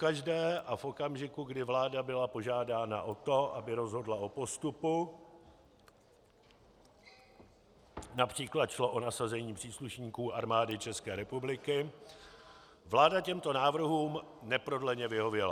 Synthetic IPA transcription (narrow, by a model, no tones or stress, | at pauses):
kaʒdɛːʔafo̞kamʒɪkuɡdɪvlaːdabɪlapo̞ʒaːdaːna̰ʔo̞t̪o̞ʔabɪɾo̞zɦo̞dlao̞po̞st̪upu | napr̝̥iːklat̪ʃlo̞ʔo̞nasazɛɲiːpr̥iːsluʃɲiːkuːʔaɾmaːdɪt͡ʃɛskɛːɾɛpublɪkɪ | vlaːdacɛmt̪o̞naːvr̩ɦuːmnɛpɾo̞dlɛɲɛvɪɦo̞vjɛla̰